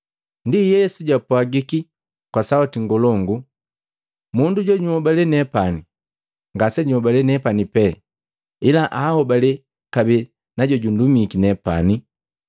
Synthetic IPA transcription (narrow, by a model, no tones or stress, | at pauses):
ndijɛsuɟwapwaɡiki | kwasawatiŋɡɔlɔŋɡu | munduɟɔɲuhɔbalɛnɛpani | ŋɡasɛɲuhɔbalɛnɛpanipɛ | ilaʔaːhɔbalɛ | kabɛ | naɟɔɟundumikinɛpa̰ni